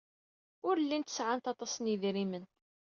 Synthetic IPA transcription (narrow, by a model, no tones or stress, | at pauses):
ʊɾlːint̪ə̥sʕant̪ɑt̪ˤɑsəniðɾimən